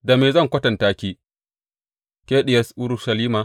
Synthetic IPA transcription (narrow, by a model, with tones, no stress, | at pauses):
da˨meː˨zɐ˦˨ŋkʷɐ˦tɐ˨ntaː˦kʲiː˦ | kʲeː˦ɗɪ˨jɐ˦sʔʊ˦ɾʊ˦ʃɐ˨liː˦maː˨